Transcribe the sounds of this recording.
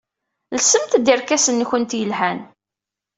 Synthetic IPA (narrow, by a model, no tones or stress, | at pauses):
lsəmt̪d̪iɾkæsənːçənt̪jəlhæn